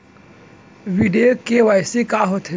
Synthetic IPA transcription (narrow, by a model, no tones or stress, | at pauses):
ʋiɖeokeʋajsekaɦot̪ʰe